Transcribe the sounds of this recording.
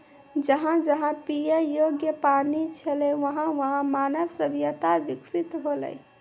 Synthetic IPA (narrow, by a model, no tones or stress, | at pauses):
d͡ʒəɦãd͡ʒəɦãpijəjoɡjəpaɾnit͡ʃʰəlɛʋəɦãʋəɦãmanəbsəbjət̪aʋiksit̪ɦolɛ̰j